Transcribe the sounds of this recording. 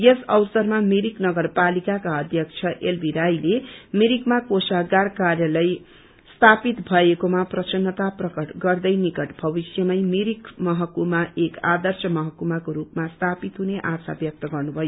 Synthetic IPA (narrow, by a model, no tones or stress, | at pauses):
jesʌwsʌrmamiɾiknʌɡʌrpalikakaʌd̪ʱjʌk̚t͡sʰʌʔelbʱiɾajlemiɾikmakosaɡarkarjʌlʌj | st̪ʰapit̪bʱʌekomaprʌsʌnːʌt̪aprʌkʌʈɡʌrd̪ʌjnikʌʈbʱʌbisjʌmʌjmiɾikmʌɦʌkumaʔekad̪ʌrsʌmʌɦʌkumakoɾupmast̪ʰapit̪ɦuneʔasa̰bjʌk̚t̪ʌɡʌrnubʱʌjo